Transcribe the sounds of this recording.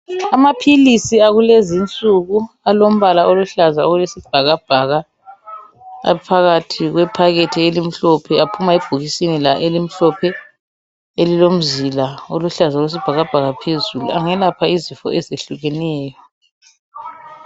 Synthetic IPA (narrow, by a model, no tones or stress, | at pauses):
amapʰilisiaɣulezint͡sʼuɣu | alom̩βalaoluɬazaoɣulesib̥ʱaɣab̥ʱaɣa | a̰pʰaɣatʰiɣwɛpʰaɣetʰielim̩ɬɔpʰɛapʰumaib̥ʱuɣisinilaʔelim̩ɬɔpʰɛ | elilom̩zilaoluɬazaolwes̬ib̥ʱaɣab̥ʱaɣapʰezulṵaŋɛlapʰaizifɔ̰ʔɛzeɬuɣɛnɛːjɔ